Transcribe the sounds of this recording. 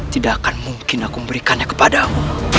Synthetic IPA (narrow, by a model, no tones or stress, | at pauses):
t̪idakanmuŋkɪnakuməmbəɾikanɲakə̥padamu